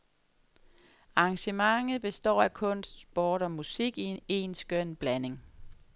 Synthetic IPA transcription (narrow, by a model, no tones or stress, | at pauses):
ɑ̈ːŋɕəmɑ̈ŋð̩ˠb̥e̝sd̥ɒ̰ːækʰɔ̽n̰sd̥sb̥ɒːɾ̥ɒ̽musiɡ̥ie̝ːnsɡ̥œn̰b̥læne̝ŋ